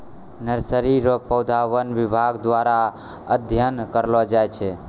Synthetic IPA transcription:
nəɾsəɾiɾɔpəwd̪ʱawənʋibʱaɡd̪ʋaɾa | əd̪ʱjənkəɾlɔd͡ʒajt͡ʃʰɛ

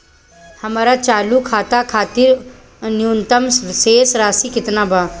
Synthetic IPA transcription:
hɐmaːɾat͡ʃaːlukʰaːt̪akʰaːt̪ɪɾ | njuːnt̪əmsʋɪseːsɾaːsikɪt̪nabʱaː

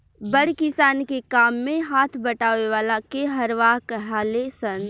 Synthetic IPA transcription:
bəɽkɪsaːnkekaːmːẽɦaːt̪ʰbəʈaːʋeʋaːlakeɦəɾʋaːkɦaːlesə̃n

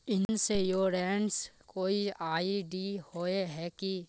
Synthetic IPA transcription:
ɪnsejoːɾɛ̃ːɳɖskoːiaːiɖiːhoːeɦɛːki

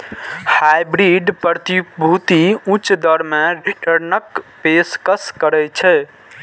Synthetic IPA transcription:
hajbɾiɖpɾət̪ibʱut̪iũt͡ʃd̪əɾmeɾiʈəɾnəkpeskəskəɾɛt͡ʃʰɛ

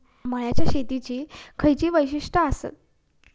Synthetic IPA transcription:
məɭjat͡ɕjaɕet̪it͡ɕiːkʰəjt͡ɕiːʋəjɕiʂʈəəsə̰t̪̚

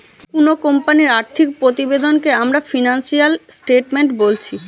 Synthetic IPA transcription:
punokompaniɾaɾt̪ʰik̚pɾot̪ibed̪onkeamɾafinansialsʈeʈmeɳʈbolt͡ɕʰi

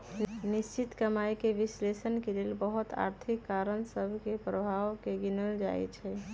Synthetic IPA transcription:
nist͡ʃit̪kəmajkeʋislesənkelelbəɦut̪a̰ɾt̪ʰikːaɾənsəbʱkepɾəbʱaʋkeɡinəld͡ʒa̰ɛ̰t͡ʃʰɛ

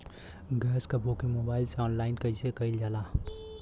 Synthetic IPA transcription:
ɡɛːskabʱoːkimoːbaːɪlseɔːnlaːɪnkɐisekɐɪld͡ʒaːlaː

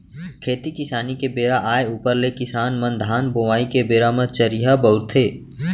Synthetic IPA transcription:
kʰeːt̪ikɪsaːnikebeːɾaʔaːeuːpəɾlekɪsaːnmɐ̃nd̪ʱaːnboːʋaːikebeːɾamə̃t͡ʃəɾiɦabɐʊɾt̪ʰeː

